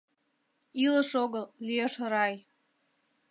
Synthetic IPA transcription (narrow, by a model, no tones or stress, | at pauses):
ilə̆ʃoɣəllijeʃɾɑj